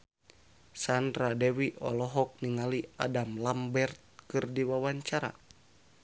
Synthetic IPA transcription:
sandɾadɛwiʔɔ̰lɔɦɔk̚niŋalia̰damlambɛrt̪̚kɨrdiwawaɲt͡ʃaɾa̰

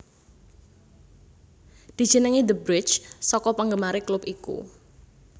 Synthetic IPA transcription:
d̪̥i̤̥d͡ʒ̥ənəŋid̪əbɾɪt͡ʃsɔkɔpəŋɡəmaɾeklʊpikṵ

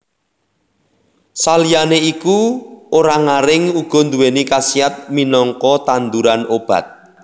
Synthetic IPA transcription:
salijaneikuoɾaŋaɾɪŋuɡ̥ɔ̤nd̪uwenikasiat̪̚minɔŋkɔt̪and̪uɾanob̥a̤̰t̪̚

